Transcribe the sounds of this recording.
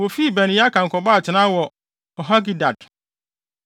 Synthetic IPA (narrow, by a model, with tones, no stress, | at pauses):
wo˨fi˦˨bɛ˨nĩ˨˦a˦kʰã˨ŋ̩˨kʰɔ˨ba˦˨t͡ɕʰɪ˨nã˦wɔ˨ | ɔ˨ɦa˦ɡi˨da˨d